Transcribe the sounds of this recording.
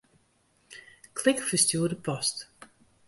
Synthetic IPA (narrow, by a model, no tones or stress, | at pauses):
kʰlɪkfəstjuːədəpʰɔst